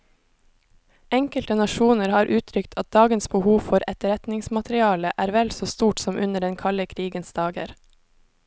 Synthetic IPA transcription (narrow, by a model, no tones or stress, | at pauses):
ɛŋkəlt̪ənɑʃuːnəɾhɑːɾʔʉːt̪ʰɾʏkt̪ʰɑt̪̚d̪ɑːɡənsbəhuːfɔɾɛt̪ɾɛt̪nɪŋsmɑt̪ɾɪɑːləʔæːɾʋɛlsoːst̪uːʈsɔmʔʉnəɖɛnkʰɑləkʰɾiːɡənsd̪ɑːɡə̰ɾ